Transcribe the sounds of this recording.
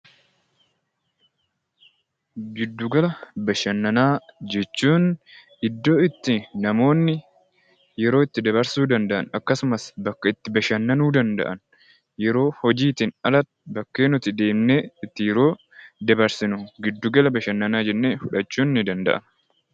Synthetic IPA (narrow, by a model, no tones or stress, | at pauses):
ɡɪd̪ːuɡɐlɐbɐʃɐnːɐnaːd͡ʒɛt͡ʃːuːnʔɪd̪ːo̞ːɪt̪ːɪnɐmo̞ːnːɪ | jɛɾo̞ːɪt̪ːɪd̪ɐbɐɾsuːd̪ɐnd̪ɐʔɐnɐkːɐsʊmɐsbɐkːɐɪt̪ːɪbɐʃɐnːɐnuːd̪ɐnd̪ɐ̰ʔɐn | jɛɾo̞ːhɔd͡ʒiːt̪ɪnɐlɐt̪bɐkːe̞ːnʊt̪ɪd̪e̞ːmneːɪt̪ːɪjɛɾo̞ː | d̪ɐbɐɾsɪnʊɡɪd̪ːuːɡɐlɐbɐʃɐnːɐnaːd͡ʒɛnːe̞ːfʊᶑɐt͡ʃːuːnːɪd̪ɐnd̪ɐ̰ʔɐ̰n